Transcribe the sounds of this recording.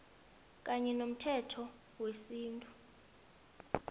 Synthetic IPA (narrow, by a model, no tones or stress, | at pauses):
k̬ʼaɲɛnom̩tʰɛtʰɔ | wesiːntʼu